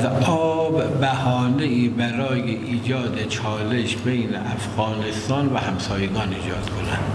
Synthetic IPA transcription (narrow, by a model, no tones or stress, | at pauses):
zɒːbbæhɒːneiːbæɾɒːjeʔiːd͡ʒɒːd̪et͡ʃʰɒːleʃbejnḛʔæfɣɒːnest̪ɒːnvæhæmsɒːjeɡɒːniːd͡ʒɒ̰ːd̪̥kʰonænd̪̥